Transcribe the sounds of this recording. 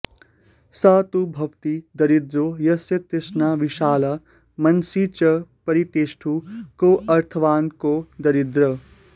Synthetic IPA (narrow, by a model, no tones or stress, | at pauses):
saːt̪ubʱɐʋt̪id̪ɐɾid̪ɾojɐsjɐt̪esnaʋiʃaːlɐ | mɐnsit͡ʃɐpɐɾiʈeːsʈʰukoʔɐɾt̪ʰɐʋaːnkod̪ɐɾid̪ɾɐ